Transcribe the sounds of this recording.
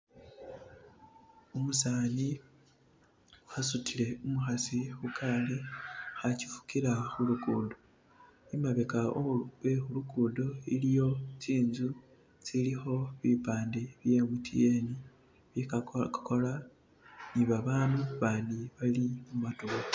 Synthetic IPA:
omusaːni | asutʰile̞umuxasixukʰaːlixaci̥fu̥kiɾaxulukuːdo̞ | imaβekaowexuluɡuːdo̞ilijo̞t͡siːnzu | t͡silixo̞βipaːndeβje̞mutʰḭe̞ni | βikola | niβaβaːnuβaːndiβalimumatuɣo

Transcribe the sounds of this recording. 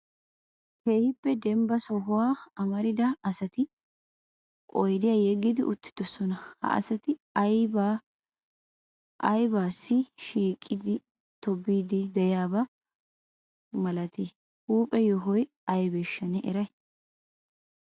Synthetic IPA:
keːhɪpːɛd̪ɛmbɐsɔhʊwaːɐmɐɾɪd̪ɐɐsɐt̪ɪ | kʼɔjd̪ɪjajɛɡːɪd̪ɪʔʊt̪ːɪ̥d̪̥ɔsɔnɐhɐ̰ʔɐ̰sɐt̪ɪjba | ɐjbaːsːɪʃiːkʼːɪd̪ɪ | t̪ɔbːiːd̪ɪd̪ɛjaːbɐ | mɐlɐt̪ɪ | huːpʼɛjɔɦɔj | ɐjbɛʃːɐnɛʔɛɾɐj

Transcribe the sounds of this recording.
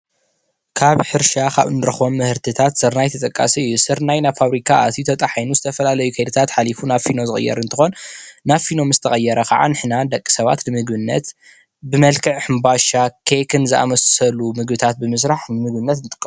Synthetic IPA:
kʰaβħɨɾʃakʰa̰βɨnɨɾɐxbo̞mːɨhɨɾt̪ʰɨt̪ʰat̪sɨɾnajt̪ʰɐt̪ʼɐkʼːa̰siɨjːusɨɾnajnafaβɾikʰaʔa̰t̪it̪ʰot̪ʼɐħajnuzɨt̪ʰɐfɐlalɐjukʰɐjd̪ɨt̪ʰat̪ħalifunafino̞zɨxʼɨ̰jːɛ̰ɾɨnt̪ʰɨ̥xo̞nːafino̞mzɨ̥t̪ʰɐxʼɐjːɛɾɐkʰa̰ʕa̰nɨħnand̪ɐkʼːi̥sɐβa̰t̪nɨmɨɡbɨnːɐ̰t̪ | bɨmɐlkʰɨʕħɨmbaʃakʰekʰɨnzɨʔa̰mɐsɐlumɨɡbɨt̪ʰat̪̚bɨmɨs̬ɾaħnɨmɨɡ̚bɨnːɐt̪ɨnt̪ʼɨ̥kʼː

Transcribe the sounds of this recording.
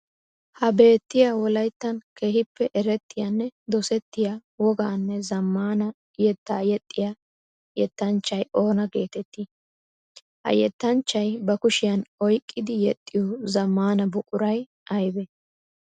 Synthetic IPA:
hɐbe̞ːt̪ːɪjawɔlɐjt̪ːɐnke̞ːhɪpːɛʔɛɾɛt̪ːɪjanːɛd̪ɔsɛt̪ːɪjawɔɡaːnːɛzɐmːaːnɐ | jɛt̪ːaːjɛt̪ʼːɪja | jɛt̪ːɐnt͡ʃːɐjo̞ːnɐɡe̞ːt̪ɛt̪ːi | hɐ̰jɛt̪ːɐnt͡ʃːɐjbɐkʊʃɪjɐnɔjkʼːɪd̪ɪjɛt̪ʼːɪjɔzɐmːaːnɐbʊkʼʊɾɐj | ʔɐjbɛ

